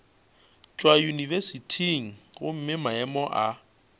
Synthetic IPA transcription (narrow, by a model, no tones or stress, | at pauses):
t͡ʃʼwajunivesitʰiŋ̩ɣʊm̩mɪmaɛmɔʔa